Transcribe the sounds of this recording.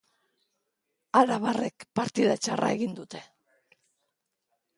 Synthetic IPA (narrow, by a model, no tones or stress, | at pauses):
alaβare̞kpaɾt̪iðat͡ʃarʔa̰e̞ɣind̪ut̪e̞̥